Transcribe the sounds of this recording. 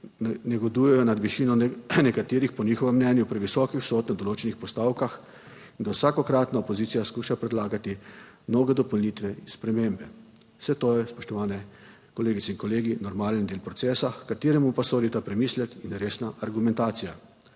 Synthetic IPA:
nɛɡɔd̪ujɛjɔnad̪ʋiʃiːnɔnɛkat̪eːɾixpɔnixɔʋɛmːnɛːnjupɾɛʋisɔːkiwsɔːt̪nad̪ɔloːt͡ʃɛnixpɔst̪aːwkax | ind̪awsaːkɔkɾaːt̪naopɔziːt̪ijaskuːʃapɾɛd̪laːɡat̪imnoːɡɛd̪ɔpɔlniːt̪ʋɛspɾɛmeːmbɛ | sɛt̪oːjɛspɔʃt̪ɔʋaːnɛ | kɔleːɡit̪ɛinkɔleːɡinɔɾmaːlənd̪eːlpɾɔt̪sɛːsakat̪eːɾɛmupasoːd̪it̪apɾɛmiːslɛkinɾeːsnaʔaɾɡumɛnt̪aːt̪sija

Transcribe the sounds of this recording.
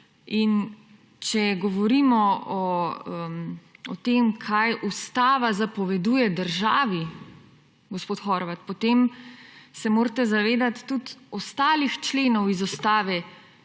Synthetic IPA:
in | t͡ʃɛɡɔʋɔɾiːmɔɔmɔt̪emkʰajʔust̪aːʋazapɔʋɛd̪uːjɛd̪əɾʒaːʋi | ɡospoːt̪xɔɾʋat̪̚pɔt̪eːm | sɛmoːɾt̪ɛzaʋeːd̪at̪ːut̪ɔst̪aːlixt͡ʃleːnɔwizɔst̪aːʋɛ

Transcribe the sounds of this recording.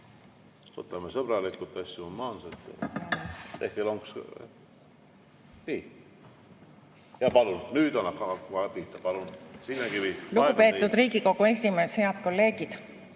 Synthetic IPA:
o̰t̪ːˑɑmesɤb̥ɾɑlikult̪ːɑsʲjuomːɑːnset̪ː | t̪ehkeloŋks | vi | jɑpɑlunnyːd̪ɑnːɑhkɑhkuɑpit̪ːˑɑpɑlunsinːekiviluupe̞ːt̪ːud̪riːɡiko̞ɡ̥uesʲime̞ːshe̞ɑb̥̚ko̞lːe̞ːɡ̥id̪̥

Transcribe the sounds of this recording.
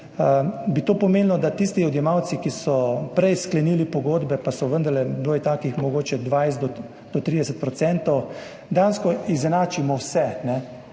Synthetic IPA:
əbit̪oːpɔmenlɔd̪at̪ist̪iɔd̪jɛmaw̪sikisɔpɾɛjsklɛniːlipɔɡoːd̪bɛpasɔʋənd̪əɾlɛd̪oːjt̪aːkixmɔɡoːt͡ʃɛd̪ʋajst̪d̪ɔ | d̪̥ɔt̪ɾid̪ɛsət̪̚pɾɔt̪sɛnt̪ɔw | d̪ɛjanskɔizɛnaːt͡ʃimɔwsɛnɛ

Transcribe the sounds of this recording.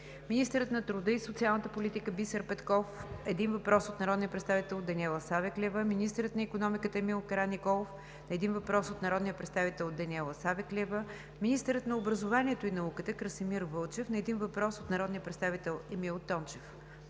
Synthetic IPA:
minist̪əɾət̪nɐt̪ɾʊd̪əisot̪sialˠnət̪əpolit̪ikəbisəɾpɛt̪kɔfɛd̪invɐpɾɔsot̪nɐɾɔd̪nijəpɾɛt̪st̪avit̪ɛlˠd̪ɐnʲiɛlˠəsavɛklʲɛvəminist̪əɾət̪nɐikonɔmikət̪əɛmilˠkɐɾanikɔlˠof | nɐɛd̪invɐpɾɔsot̪nɐɾɔd̪nijəpɾɛt̪st̪avit̪ɛlˠd̪ɐnʲiɛlˠəsavɛklʲɛvə | minist̪əɾət̪nɐobɾəzovaniɛt̪oinɐukət̪əkɾəsimiɾvɤlˠt͡ʃɛfnɐɛd̪invɐpɾɔsot̪nɐɾɔd̪nijəpɾɛt̪st̪avit̪ɛlˠɛmilˠt̪ɔnt͡ʃɛf

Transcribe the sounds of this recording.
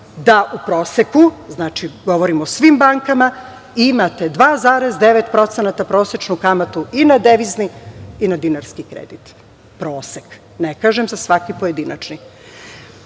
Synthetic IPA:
d̪aʔupɾo̞ːsekuznaːt͡ʃiɡo̞ʋoɾimosʋimbaŋkama | imat̪e̞d̪ʋaːzaːɾezd̪e̞ʋet̪pɾo̞t̪senat̪apɾo̞ːse̞t͡ʃnukamat̪uinad̪eʋizniinad̪inaɾskikɾḛd̪it̪ | pɾoːsek | nekaːʒemzasʋakipojed̪inat͡ʃni

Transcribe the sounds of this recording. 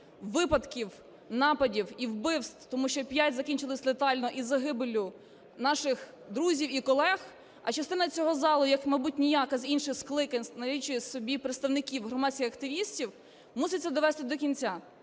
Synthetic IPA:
ʋɪpɐd̪kʲiw | nɑpɐdʲiwiwbɪwst̪t̪ɔmuʃt͡ʃɔpʲjatʲzɐkʲinʲt͡ʃɪlˠɪsʲlet̪ɑlʲnɔʔizɐɦɪbɪlʲʊ | nɑʃɪx | d̪ɾuzʲiwikɔlˠɛx | ɐt͡ʃɐst̪ɪnɐt͡sʲɔɦɔzɑlˠʊjɐkmɐjbut̚ʲnʲijakɐzʲinʃɪxsklˠɪkɐnʲnɐlʲit͡ʃʊsɔbʲipɾet̪st̪ɐwnɪkʲiwɦɾɔmɑsʲkʲɪxɐkt̪ɪʋʲisʲtʲiw | musɪtʲt͡sʲːɐd̪ɔʋɛst̪ɪd̪ɔkʲinʲt͡sʲa

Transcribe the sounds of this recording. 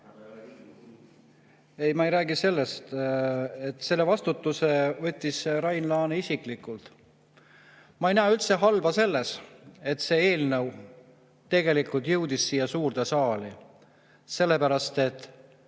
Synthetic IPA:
e̞jmɑejɾæːɡise̞lːe̞st̪ | et̪ːse̞lːe̞vɑst̪ut̪ːˑusevɤ̞t̪ʲːisɾɑjnlɑːneisiklikˑult̪ | mɑejnæːylt̪se̞ɦɑlbɑse̞lːese̞t̪se̞ːe̞ːlnɤw | t̪e̞ɡe̞likˑult̪jɤwd̪̥isːiːjɑsuːrd̪esɑːli | se̞lːe̞pæɾɑst̪e̞t̪ːˑ

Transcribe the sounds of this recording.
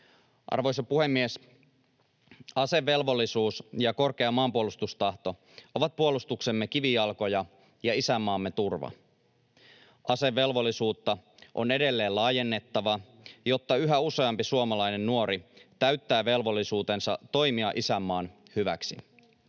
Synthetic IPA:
ʔɑ̰rʋo̞jsɑpuhe̞mːies | ɑse̞ʋːe̞lʋo̞lːisuːsjɑko̞rk̟e̞ɑmɑːmpuolust̪ust̪ɑht̪o̞ | o̞ʋɑt̪̚puolust̪ukse̞mːekiʋijɑlko̞jɑ | jɑisæmːɑːmːe̞t̪urʋɑ̰ | ʔɑse̞ʋːe̞lʋo̞lːisuːt̪ːɑʔo̞ne̞de̞lːe̞ːlɑːje̞nːe̞t̪ːɑʋɑ | jo̞t̪ːɑyɦæuse̞ɑmpisuomɑlɑjne̞nːuo̞ɾit̪æɥt̪ːæːʋe̞lʋo̞lːisuːt̪e̞nsɑ̰t̪o̞jmiɑʔisæmːɑːn | hyʋæ̰ksḭ

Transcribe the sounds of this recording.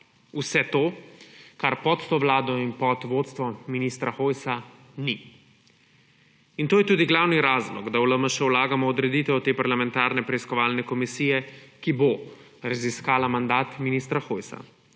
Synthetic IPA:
usɛt̪oːkaɾpɔt̪ːoʋlaːd̪ɔinpɔt̪ʋoːt̪st̪ʋɔminist̪ɾaxoːjsa | ni | int̪oːjɛt̪uːd̪iɡlawniɾaːzlɔɡd̪awləməʃɛwlaːɡamɔːd̪ɾɛd̪iːt̪ɛwɔt̪eːpaɾlamɛnt̪aːɾnɛpɾɛiskɔʋaːlnɛkɔmisijɛkibo | ɾaziskaːlamand̪aːt̪minist̪ɾaxojsa̰

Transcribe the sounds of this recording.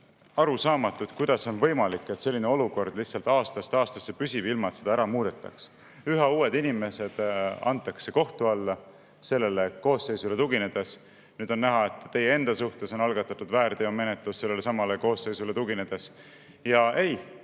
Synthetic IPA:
ɑɾusɑːmɑt̪ːˑut̪kujd̪̥ɑso̞nvɤ̞jmɑlikːˑe̞t̪se̞lːineo̞luko̞rd̪̥lihtsɑlt̪ːˑɑːst̪ɑst̪ɑːst̪ɑsːepysʲibilmɑt̪sed̪ɑæɾɑmuːd̪̥e̞t̪ːˑɑ̰ks | yɦɑuːe̞d̪inime̞se̞d̪̥ɑ̰nt̪ˑːɑkse̞ko̞ht̪uɑlːɑ | se̞lːe̞le̞ko̞ːsːe̞jsule̞t̪uɡ̥ine̞d̪̥e̞s | nyːd̪̥o̞nːæɦɑe̞t̪ˑːe̞jee̞nd̪̥ɑsuht̪e̞so̞nɑlɡ̥ɑt̪ːˑɑt̪ːˑud̪væːɾd̪eome̞net̪ˑlusːelːe̞lesɑmɑleko̞ːsːe̞jsule̞t̪uɡ̥ine̞d̪̥e̞s | jɑe̞j

